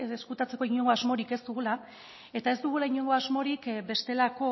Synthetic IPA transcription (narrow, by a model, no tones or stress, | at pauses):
eskut̪at͡se̞ko̞iɲo̞ŋɡo̞azmo̞ɾike̞zd̪uɣula | e̞t̪ae̞zd̪uɣ̞ulaiɲo̞ŋɡo̞azmo̞ɾikbe̞st̪e̞lako̞